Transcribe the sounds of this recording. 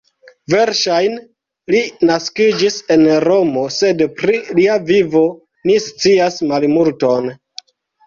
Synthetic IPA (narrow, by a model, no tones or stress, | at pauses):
ve̞ɾʃajn | linaskid͡ʒise̞nɾo̞mo̞se̞dpɾiliavivo̞ | nist͡siasmalmulto̞n